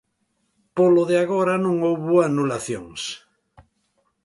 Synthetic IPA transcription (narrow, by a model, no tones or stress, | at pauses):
poloðeaɣoɾanõŋowβuanulaθjoŋs